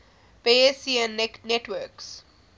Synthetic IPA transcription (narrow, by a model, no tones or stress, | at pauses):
peːesiæ̃neneʈʋəɾks